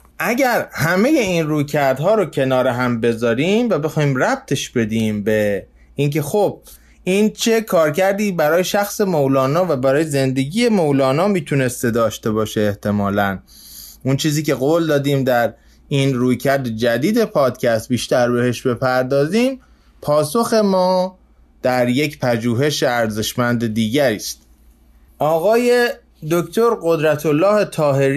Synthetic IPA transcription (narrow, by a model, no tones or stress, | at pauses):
ʔæɟæɾhæme̞je̞iːnruːjcʰæɾd̪ɦɒːɾocʰe̞nɒːɾeɦæmbe̞zɒːɾiːmvæbe̞xɒːhiːmræb̚t̪ʰe̞ʃbe̞d̪iːmbe | iːnke̞xob̥̚ | ʔiːnt͡ʃʰe̞kʰɒːɾcæɾd̪iːbæɾɒːjeʃæxse̞mowlɒːnɒːvæbæɾɒːjeze̞nd̪e̞ɟiːje̞mowlɒːnɒːmiːt̪ʰune̞st̪e̞d̪ɒːʃt̪e̞bɒːʃeːht̪ʰe̞mɒːlæn | unt͡ʃʰiːziːce̞ɣoːld̪ɒːd̪iːmd̪æɾ | iːnɾuːjcʰæɾd̪ed͡ʒæd̪iːd̪e̞pʰɒːd̪cʰæst̪̚biːʃt̪æɾbe̞he̞ʃbe̞pʰæɾd̪ɒːziːm | pʰɒːso̞xe̞mɒː | d̪̥æɾje̞cpʰæd͡ʒuːɦe̞ʃeæɾze̞ʃmænd̪ed̪iːɟæɾiːst̪ | ʔɒːɣɒːje | d̪oct̪ʰoɾɢo̞d̪ɾæt̪ʰo̞lːɒːhet̪ʰɒːɦe̞ɾ